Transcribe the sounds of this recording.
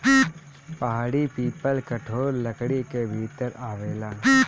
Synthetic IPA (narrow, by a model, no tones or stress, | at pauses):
pɐɦaːɽipiːpəlkɐʈʰoːɾlɐkɽikebʱiːt̪əɾaːʋeːlaː